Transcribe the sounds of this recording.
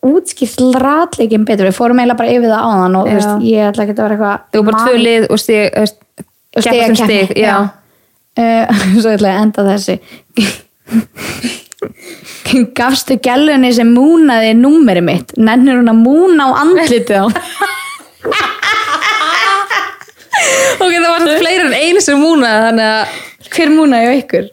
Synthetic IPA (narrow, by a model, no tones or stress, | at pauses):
uːt̪scɪr̥t̪lɾaːt̪leːcɪmp̬ɛːt̪ɾvɪfoːwɾʏmeːjlapaɾaɪːvɪðaa̰ːwðanɔɣθwsjɛɣat̪lacɛːt̪aveːɾaɛhkvaθɪɣɔpaɾt̪vœːlɪðɔ̰st̪ɪɣest̪ | sɛeɣasɛt̪ɪɣjaː | sɔɛt̪lɛɣaɛnt̪aθɛsːɪ | kafst̪ɪcɛlːʏnɪs̬ɛmːuːnaðɪnumːɛɾɪmɪht̪nɛnnːʏɾ̥huːnamuːnaːwʔa̰nt̪t̪lɪt̪ɪaw | ɔkɛt̪avaɾst̪fleːjɾɪɾɛneːjnsɛmːuːnaðɪθanːɛɣakʰvɛːɾmuːnaðjawehkʏɾ̥